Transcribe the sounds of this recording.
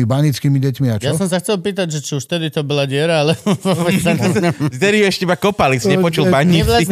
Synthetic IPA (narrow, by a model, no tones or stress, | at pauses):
ibaɲit͡skiːmiɟɛcmiat͡ʃjasɔ̃ms̬axt͡sɛlpiːt̪̬aɟʒɛt͡ʃiuʃft̪ɛd̪it̪ɔbɔlaɟɪɛɾaalɛʋɔʋɛ | zd̪ɛɾiuɛʃcɛbakɔpalisɲɛpɔt͡ʃulbaɲːii